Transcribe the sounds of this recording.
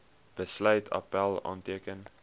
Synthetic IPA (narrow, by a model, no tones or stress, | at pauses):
b̥əslœɥtʰɐ̰pælˠɑ̰ːntiəkən